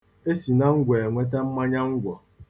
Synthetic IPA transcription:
e˦si˨na˦ŋ̩˦ɡʷe˨ŋʷe˦t̬a˦m̩˦ma˦ɲa˦ŋ̩˦ɡʷɔ˨

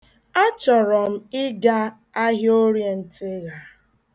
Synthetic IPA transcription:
a˦t͡ʃɔ˨ɾɔ˨m̩˦ɪ˦ɡa˦ | a˦ɦo˦ɾje˨n̩˨tɪ˦ɣa˨

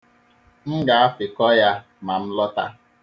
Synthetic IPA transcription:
ŋ̩˦ɡa˨a˦fɪ˨kɔ˦ja˦ | ma˨m̩˦lɔ˦ta̰˦

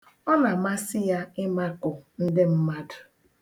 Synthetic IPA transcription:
ɔ˦na˨ma˦sɪ˦ja˦ɪ˦ma˦kʊ˨n̩˦dɪ˦m̩˦ma˦dʊ˨

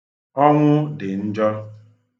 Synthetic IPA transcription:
ɔ˦ŋʷʊ˦dɪ˨n̩˦d͡ʒɔ˦

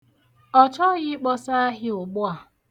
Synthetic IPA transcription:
ɔ˨t͡ʃɔ˦ɣɪ˦k͡pɔ˦sa˦a˦ɦɪ˦ʊ˨ɡ͡bʊ˦a˨

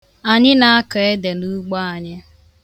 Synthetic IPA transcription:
a˨ɲɪ˦na˨a˦ka˨e˦de˨nu˦ɡ͡bɔ˦a˨ɲɪ˦

